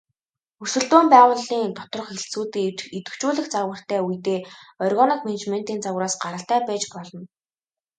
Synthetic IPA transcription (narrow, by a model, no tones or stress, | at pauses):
ɵsɘ̆ɮt̪uːmpæːʁʊːɮiːŋt̪ʰɔ̥t̪rɞ̆χxeɬt͡suːt̪eːt͡ɕet̪ɵ̆kt͡ɕuːɮɘ̆xt͡sarwə̆r̥t̪æːujt̪eːɔrɣɔnɔkmenet͡ɕmen̥t̪iːnt͡sawraːsɢaɾə̆ɬt̪æːpæːt͡ɕpɔɮɞ̆n